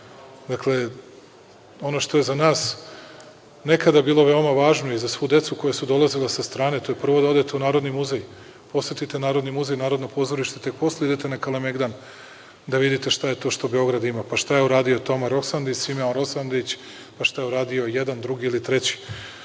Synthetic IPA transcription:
d̪akle̞ | o̞no̞ʃt̪oje̞zanaːs | ne̞kad̪abiːlˠo̞ʋe̞o̞maʋaːʒno̞izasʋud̪e̞t̪suko̞jasud̪o̞lˠazilesast̪ɾaːne̞t̪o̞je̞pr̩ʋo̞d̪ao̞d̪et̪eunaːɾo̞d̪nimuzej | po̞set̪it̪e̞naːɾo̞d̪nimuzejnaːɾo̞d̪nopo̞ːzoɾiʃt̪et̪e̞k̚po̞sleid̪et̪e̞nakalemeɡd̪an | d̪aʋid̪it̪e̞ʃt̪aje̞t̪o̞ʃt̪o̞be̞o̞ɡɾad̪imapaʃt̪ajeuɾaːd̪io̞t̪o̞meɾo̞ksand̪isimenɾo̞sand̪eit͡ɕ | paʃt̪ajeuɾaːd̪io̞jed̪and̪ɾuɡiilit̪ɾe̞t͡ɕi̥

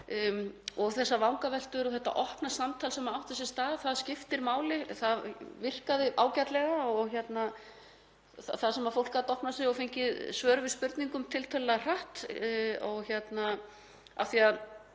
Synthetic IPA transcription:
ɔɣθɛsːavawŋkavɛl̥t̪ʏɾɔθɛt̪ːa̰ʔɔhpnasamt̪ʰalsɛmaawht̪ɛsɛst̪aːðθaðscɪft̪ɪɾmaːwlɪθaðvɪr̥kaðɪʔaːwcat̪lɛɣaɔɣçjɛt̪na | θaθaðsɛmaðfowl̥kat̪ɔhpnasɛɔfejɲcɪðsvœːɾʏvɪðspʏɾt̪niŋkʏmt̪ʰɪlt̪ʰœllaɣr̥aht̪ɔɣçjɛt̪na | a̰fθiað

